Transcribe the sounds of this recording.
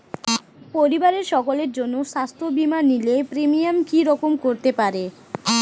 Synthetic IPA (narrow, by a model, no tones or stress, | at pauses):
poɾibaɾeɾʃɔkoleɾd͡ʑonːoʃast̪ʰobimanːilepɾemijamkiɾɔkomkoɾt̪epaɾe